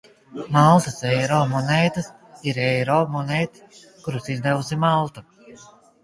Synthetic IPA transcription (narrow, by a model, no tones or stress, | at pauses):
malˠt̪ɐsɛjɾɔːmɔnɛːt̪ɨsiɾɛjɾɔːmɔnejt̪s | kuɾusiznɛvusimalˠt̪u